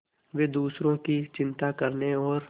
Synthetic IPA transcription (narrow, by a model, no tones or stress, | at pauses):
ʋed̪uːsɾõkit͡ʃɪ̃nt̪akɐɾneɔːɾ